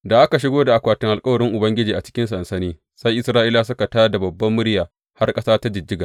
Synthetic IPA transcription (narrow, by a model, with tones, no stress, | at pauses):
da˨ʔa˦ka˨ʃ̬ɪ˦ɡoː˦da˨ʔa˨kʷaː˨tɪ˨ŋʔa˨lkʼɐ˦wɐ˨ɾɪ˦ŋʔʊ˨bɐ˦ŋɡʲɪ˦d͡ʒiː˨ʔa˨t͡ʃɪ̥˦kʲɪ˦nsɐ˨nsɐ˦niː˦ | sa˦jʔɪ˦sɾaː˦ʔiː˦la˨s̬ʊ˦ka˨taː˦da˨bɐ˨bːɐ˦mːʊ˦ɽjaː˨ | ha˦rkʼɐ˦saː˦ta˦d͡ʒɪ˨d͡ʒːɪ˦ɡaː˨